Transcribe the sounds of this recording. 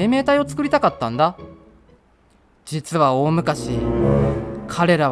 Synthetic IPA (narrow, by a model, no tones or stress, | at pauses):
eːme̞ːt̪aio̞t͡sɨ̥kɯ̟ɾʲit̪akat̪ːãnd̪a | d͡ʑit͡sɨβao̞ːmɯ̟kaɕi | kʰaɾe̞ɾa